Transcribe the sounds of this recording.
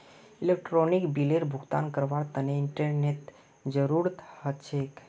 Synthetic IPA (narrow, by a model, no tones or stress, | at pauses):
ilek̚ʈɾonikbileɾbʱʊɡt̪a̰nkəɾʋaɽt̪əneɪɳʈəɾnet̪ | d͡ʒəɾuɾt̪hət͡ʃʰek